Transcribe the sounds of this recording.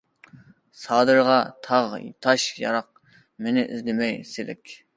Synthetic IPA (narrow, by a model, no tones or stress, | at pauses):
sɑːd̪ɨɾʁɑt̪ʰɑʁt̪ʰɑʃjɑ̰ɾɑq̚ | menɪʔɪ̰zlɪmɛjselɪ̰kʲ